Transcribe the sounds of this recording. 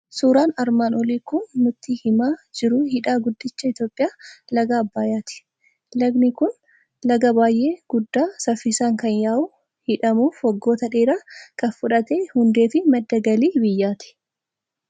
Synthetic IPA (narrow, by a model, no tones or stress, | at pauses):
suːɾaːnɐɾmaːnɔliːkʊnːʊt̪ːiːhɪmaːd͡ʒɪɾʊhɪᶑaːɡʊd̪ːɪt͡ʃːɐɪt̪jo̞ːpʼːɪjaːlɐɡaːbːaːjaːt̪ɪ̥ | lɐɡnɪkʊn | lɐɡɐbaːjʔe̞ːɡ̥ʊd̪ːaːsɐfːɪsaːŋkɐnjaːʔuː | hɪᶑɐmuːfhɔɡːo̞ːt̪ɐᶑeːɾaːkɐfʊᶑɐt̪eːhʊnd̪e̞ːfɪmɐd̪ːɐɡɐliːbɪjːaːt̪ɪ̥